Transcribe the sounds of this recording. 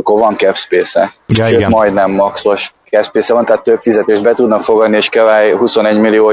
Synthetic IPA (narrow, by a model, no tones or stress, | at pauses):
kːoɾvɒŋkɛpspeːsɛ̰ʃøːmɒjd̪nɛmːɒkso̞ʃkɛpspeːsɛvɒnt̪at̪ːøpfizɛt̪eːʒbɛt̪ud̪nɒkfo̞ɡɒd̪nieːʃkɛvaːjɦuso̞nɛɟmilːioː